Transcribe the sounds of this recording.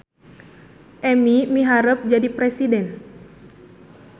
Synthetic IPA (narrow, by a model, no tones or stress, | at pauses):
ʔɛmimiɦaɾəp̚d͡ʒadipɾɛsidɛn